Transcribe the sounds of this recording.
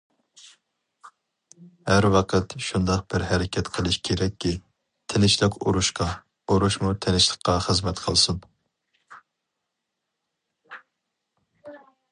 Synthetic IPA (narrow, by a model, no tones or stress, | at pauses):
hæɾwɑqʰət̪ʃund̪ɑq̚b̥ɪɾɦɛɾɪkʲʰɛt̪qʰəlˠɨʃkʲʰeɾɛkʲʰːi | t̪ʰɪnɪʃlˠɪkʲʰṵɾuʃqɑ | uɾuʃmut̪ʰɪnɪʃlˠə̥qːɑχəzmɛt̪qʰəlˠsɨn